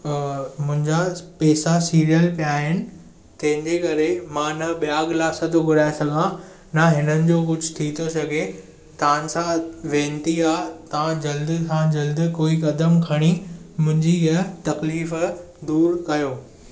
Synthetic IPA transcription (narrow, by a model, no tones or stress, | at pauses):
mʊ̃ɦɪ̃ɲd͡ʑapɛːsasiːɾijəlpijaːɦɪnɪ̆ | t̪ɐ̃ɦɪ̃ɲd͡ʑekɐɾemãːnɐɓijaːɡlaːsɐt̪oɡʊɾaːesɐɡʱã | naɦɪnənɪ̆d͡ʑoːkʊd͡ʑʱʊt̪ʰit̪ʰosɐɡʱe | t̪ːsãʋẽːnt̪iaːt̪ɐãd͡ʑɐld̪sãd͡ʑɐld̪koːikɐd̪əmkʰɐɽ̃imʊ̃ɦɪ̃ɲd͡ʑiɐt̪ɐkliːf | d̪uːɾkɐjoː